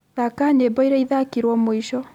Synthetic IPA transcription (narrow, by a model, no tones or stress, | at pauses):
ðakaɲebɔiɾɛiðakiɾwɔmoiʃɔ